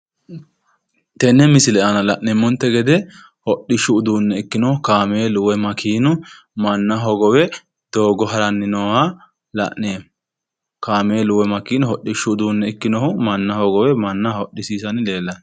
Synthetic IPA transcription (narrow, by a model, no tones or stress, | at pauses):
t̪ɛnːɛmɪsɪlɛʔɐnɐlɐʔnɛmːɔnt̪ːɛɡɛd̪ɛ | hɔɗːɪʃːʊːd̪uːnːɛɪkːɪnɔhʊkaːmeːlʊwɛmɐkʰiːnʊ | mɐnːɐɦɔɡɔwɛ | d̪̥o̞ːɡɔɦɐɾɐnːɪnɔwa | lɐ̰ʔneːm | kaːmeːlʊwɛmɐkiːnʊhɔɗɪʃːʊːd̪uːnːɛɪkːɪnɔhʊmɐnːɐhɔɡɔwɛmɐnːɐhɔɗːɪsiːsɐnle̞ːlːɐn